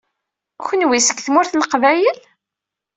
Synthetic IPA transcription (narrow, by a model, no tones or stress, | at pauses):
çʷənwisəɡθmʊɾθlqvæjəl